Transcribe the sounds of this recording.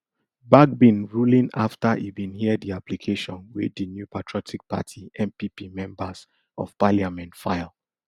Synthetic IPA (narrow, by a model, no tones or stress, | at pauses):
bak̚bĩnɹulĩnaftaʔibĩnhiɛdiaplikʰeʃɔ̃nwedinjupʰatʰɹɔtʰik̚pa̰tʰiɛ̃mpipimɛ̃mbas | ʔɔ̰v̥paliamɛ̃ntfaɪlˠ